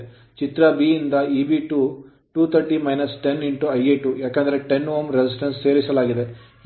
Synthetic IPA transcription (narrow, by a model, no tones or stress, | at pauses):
t͡ʃit̪ɾɐbiind̪ɐiːbiʈuː | ʈuːt̪ʰɐɾʈiːmɐjnɐsʈe̞niɳʈuɐjeʈujaːkend̪ɐɾeʈenʋoːmɾesis̬ʈɐnsːeːɾisɐlaːɡid̪e̞